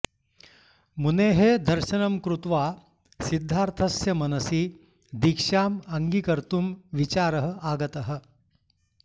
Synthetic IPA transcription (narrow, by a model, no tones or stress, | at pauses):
muneːɦed̪ɐɾʃɐnɐmkɾut̪ʋaː | sid̪ʱːaːɾt̪ʰɐsjɐmɐnɐsiː | d̪ikʂaːmɐŋɡikɐɾt̪umʋit͡ɕaːɾɐɦəaːɡɐt̪ɐɦə̆